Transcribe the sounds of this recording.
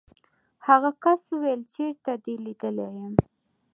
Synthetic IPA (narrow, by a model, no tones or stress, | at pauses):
haɣakasuwelt͡ʃeɾt̪ad̪elid̪əlejəm